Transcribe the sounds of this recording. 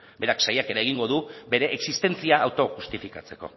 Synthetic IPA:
be̞ɾaksajakeɾaeɣiŋɡo̞ð̞ube̞ɾe̞ʔːksist̪e̞nt͡siaːwt̪o̞xust̪ifikat͡se̞ko̞̰

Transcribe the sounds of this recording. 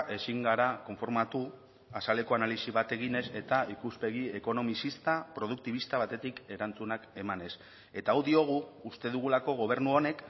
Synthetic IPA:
ʔe̞siŋɡaɾako̞ɱfo̞ɾmat̪u | asale̞ko̞analisiβat̪e̞ɣine̞se̞t̪aikuspe̞ɣie̞ko̞no̞misist̪apɾo̞ð̞ukt̪iβist̪aβ̞at̪e̞t̪ike̞ɾant͡sunake̞mane̞s | e̞t̪aːwðio̞ɣ̞uːst̪e̞ðuɣ̞ulako̞ɣ̞o̞β̞e̞ɾnuo̞ne̞k

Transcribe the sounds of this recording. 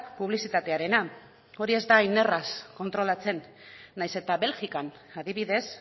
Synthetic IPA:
puβ̞lisit̪at̪e̞aɾe̞na | o̞ɾie̞zd̪aine̞rasko̞nt̪ɾo̞lat͡se̞nː | ajse̞t̪aβe̞lʝikanaðiβ̞iðe̞s

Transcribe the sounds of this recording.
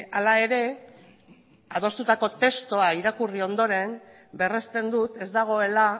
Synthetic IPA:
alae̞ɾe̞ | að̞o̞st̪ut̪ako̞t̪e̞st̪oaiɾakurio̞nd̪o̞ɾe̞m | be̞rest̪e̞nd̪ut̪e̞zd̪aɣ̞o̞e̞la

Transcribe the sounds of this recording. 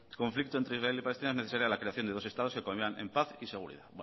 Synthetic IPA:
ko̞ɱflik̚t̪oe̞nt̪ɾeisraelipale̞st̪inaezne̞θesaɾjalakɾe̞aθjone̞ðo̞se̞st̪aðoske̞komiianempaθise̞ɣ̞uɾḭðaw

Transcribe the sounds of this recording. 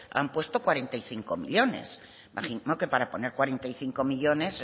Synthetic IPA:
a̰mpwe̞st̪o̞kwaɾe̞nt̪ajθiŋko̞mḭʎo̞ne̞̰s | maχimoke̞paɾapo̞neɾkwaɾe̞nt̪ajθiŋko̞miʎo̞ne̞s

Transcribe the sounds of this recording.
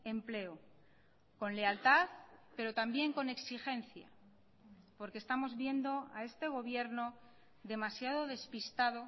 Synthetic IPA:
e̞mple̞o | ko̞nle̞alt̪aθpe̞ɾo̞t̪ambje̞ŋko̞ne̞ksixe̞nθja̰ | po̞ɾkest̪amo̞zβje̞nd̪o̞ae̞st̪e̞ɣ̞o̞βje̞ɾno̞ | ðe̞masjaðo̞ðe̞spist̪aðo̞

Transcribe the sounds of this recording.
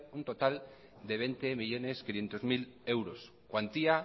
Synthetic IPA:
unt̪ot̪al | d̪eβ̞ent̪emiʎoneskinjent̪ozmilewɾos | kwant̪ia

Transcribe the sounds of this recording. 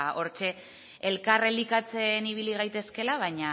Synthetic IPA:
aʔo̞ɾt͡ʃe̞ | elkarelikat͡se̞niβ̞iliɣajt̪e̞ske̞laβ̞ajɲa

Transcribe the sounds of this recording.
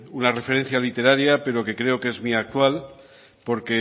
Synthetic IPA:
unare̞fe̞ɾe̞n̟θjalit̪e̞ɾaɾjape̞ɾo̞ke̞kɾe̞o̞ke̞zmiak̚t̪wal | po̞ɾke̞

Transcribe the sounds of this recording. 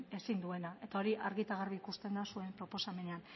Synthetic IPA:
e̞sind̪ue̞naʔe̞t̪ao̞ɾiʔaɾɣit̪aɣ̞arβiːkust̪e̞nd̪asue̞mpɾo̞po̞same̞nean

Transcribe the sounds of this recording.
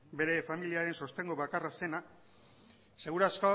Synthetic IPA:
be̞ɾe̞familiaɾe̞nso̞st̪e̞ŋɡo̞βakarase̞na | se̞ɣ̞uɾasko

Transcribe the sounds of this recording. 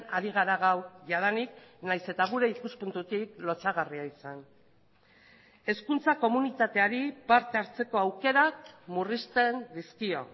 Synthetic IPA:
aɾiɣ̞aɾaɣawʝað̞aniknajse̞t̪aɣ̞uɾe̞ikuspunt̪ut̪iklo̞t͡saɣariaisan | e̞skunt͡sako̞munit̪at̪e̞aɾipaɾt̪e̞aɾt͡se̞ko̞awke̞ɾakmurist̪e̞nd̪iskio̞̰

